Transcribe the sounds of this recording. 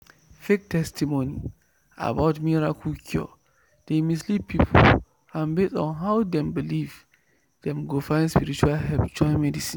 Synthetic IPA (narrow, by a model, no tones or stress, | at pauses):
fek̚tɛstimoni | a̰bawtmiɹakukʰiɔ̰ | d̥emislipːipʰṵl | ãnbesɔ̰̃nɦawdɛ̃mbiliv | d̥ɛ̃mɡofãɪ̃nspiɾit͡ʃualɦɛlpt͡ʃɔ̃mɛdisĩn